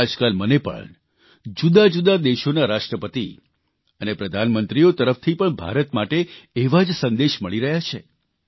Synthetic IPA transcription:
ad͡ʒkalmənepə̰ɳ | d͡ʒud̪ad͡ʒud̪ad̪eʃonaɾaʂʈɾəpət̪ḭ | ənepɾəd̪ʱanmənt̪ɾiot̪əɾəft̪ʰipəɳbʱa̰ɾət̪maʈeːʋad͡ʒsənd̪eʃməɭiɾəɦjat͡ʃʰḛ

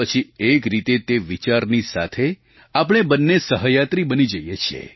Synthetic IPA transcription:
ət͡ʃʰiekɾit̪et̪eʋit͡ʃaɾnisat̪ʰe | apɽ̃ebənːesəɦəjat̪ɾibənid͡ʒəjet͡ʃʰiḛ

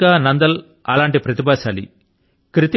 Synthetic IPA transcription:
aːnɐnd̪ɐl | ɐlaːɳʈipɾɐt̪ibaːʃaːlḭ | kɾit̪

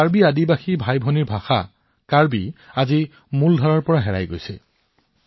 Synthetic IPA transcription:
aɹbiadibaxibʱajbʱɔniɹbʱaxa̰ | kaɹbiazi | muldʱɔɹɔɹpɔɹaɦɛɹa̰jɡo̰jsɛ̰

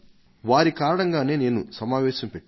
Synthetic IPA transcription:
ʋaːɾikaːɾɐɳɐŋɡaːne̞ːne̞ːnusɐmaːʋɛːʃɐmpeʈː

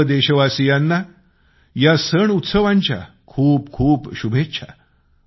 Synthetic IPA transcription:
d̪eɕəʋasijanːa | jasəɳut̪səʋãɲt͡ɕja̰ | kʰuːpkʰuːpɕubʱetːɕʰa̰

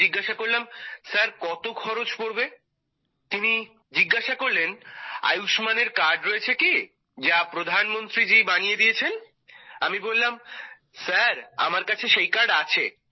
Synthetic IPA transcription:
iɡːaʃakoɾlamsaɾkɔt̪okʰɔɾot͡ɕpoɾbe | t̪ini | d͡ʑiɡːaʃakoɾlena̰juʃmaneɾkaɾɖɾoet͡ɕʰeki | d͡ʑapɾod̪ʱanmont̪ɾid͡ʑibanijed̪ijet͡ɕʰen | amibolːam | saɾa̰maɾkat͡ɕʰeʃejkaɾɖat͡ɕʰe

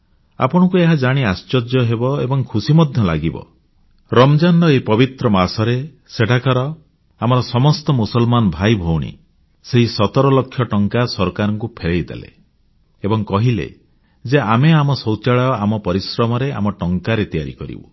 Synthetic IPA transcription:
a̰pɔɽ̃ɔkueɦad͡ʒaɽ̃iast͡ʃɔd͡ʒjɔɦebɔebɔŋkʰusimɔd̪ʱjɔlaɡibɔ̰ | ɾɔmd͡ʒanɔepɔbit̪ɾɔmasɔɾe | seʈʰakaɾɔ | amɔɾɔsɔmɔst̪ɔmusɔlmanɔbʱajbʱowɽ̃ḭ | seɦisɔt̪ɔɾɔlɔkʰːjɔʈɔŋkasɔɾkaɾɔŋkupʰeɭejd̪ḛlḛ | ebɔŋkɔɦilḛ | d͡ʒeameamɔsɔwt͡ʃaɭajɔamɔpɔɾisɾɔmɔɾeʔa̰mɔʈɔŋkaɾet̪ija̰ɾḭkɔɾḭbṵ

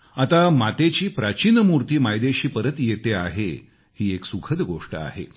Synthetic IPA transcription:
at̪amat̪et͡ɕiːpɾat͡ɕinəmuɾt̪iːmajd̪eɕiːpəɾət̪jet̪ea̰ɦe | hiːeksukʰəd̪ɡoʂʈəa̰ɦḛ

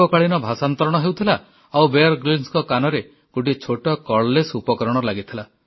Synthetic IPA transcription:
ɔkaɭinɔbʱasant̪ɔɾɔɽ̃ɔɦewt̪ʰila | awbeɔɾɡɾinskɔkanɔɾe | koʈit͡ʃʰoʈɔkɔɭlesupɔkɔɾɔɽ̃ɔlaɡit̪ʰila

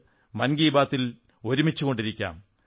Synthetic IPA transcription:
mɐnɡiːbaːt̪ːil | o̞ɾumit͡ɕːuɣo̞ɳɖiɾikʲːa̰ːm

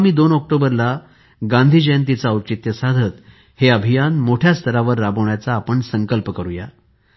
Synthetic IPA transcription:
miːd̪onɔk̚ʈobəɾla | ɡãnd̪ʱiːd͡ʑəjənt̪̬it͡saəwt͡ɕit̪jəsad̪ʱət̪ | heəbʱijanmoʈʰjast̪ʰəɾaʋəɾːabəɳjat͡saːpəɳsəŋkəlpəkəɾuja

